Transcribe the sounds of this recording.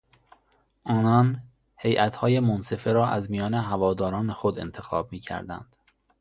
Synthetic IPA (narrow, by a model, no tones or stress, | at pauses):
ʔɒːnɒːn | he̞jʔæt̪hɒːje̞monse̞feɾɒːʔæzmijɒːne̞ɦævɒːd̪ɒːɾɒːnexod̪e̞̰nt̪ʰexɒ̰ːb̚miːcʰæ̰ɾd̪æ̰nd̪̥